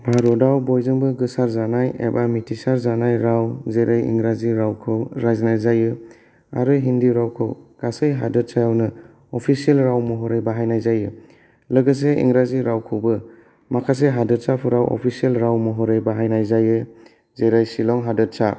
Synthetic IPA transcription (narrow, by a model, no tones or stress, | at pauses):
bʱaɾɔdawbɔjzɯŋbɯɡɯsaɾzanajḛbamitʰisaɾzanajɾawzeɾajḭŋɾaziɾawkʰɯwɾajznajzajɯ | a̰ɾɯɦindiɾawkʰɯ̰wɡ̥asɯjɦa̰dɯt̚sajawnɯ | ɔpʰisielɾawmɔɦɔɾejbaɦajnajzajɯ | lɯɡɯs̬eḭŋɾaziɾawkʰɯwbɯ | makʰas̬eɦadɯt̚sapʰuɾawɔ̰pʰisielɾawmɔɦɔɾejbaɦajnajzajɯ | zeɾajsilɔŋɦadɯt̚sa